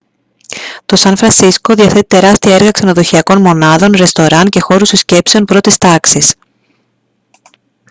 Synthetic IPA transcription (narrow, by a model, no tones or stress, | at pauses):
t̪o̞sɐnfɾɐnsisko̞ðiɐθe̞t̪i̥t̪e̞ɾɐst̪iɐeɾɣɐkse̞no̞ðo̞çiɐko̞nmo̞nɐðo̞nɾe̞st̪o̞ɾɐnce̞xo̞ɾust̪usce̞pse̞o̞npɾo̞t̪ist̪ɐksis